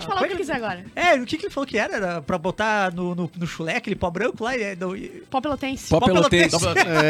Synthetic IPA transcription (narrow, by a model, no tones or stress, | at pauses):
t͡ʃfalãkekizɛɾaɡɔɾɐɛʊkɪkɪelɪfalokɪɛɾɐɛɾɐpɾɐbot̪anʊnʊnʊʃulɛɐkelɪpɔbɾɐ̃kʊlaɪɛd̪ẽɪpɔpelot̪ẽsɪ̥pɔpɔeleolot̪ẽsɔp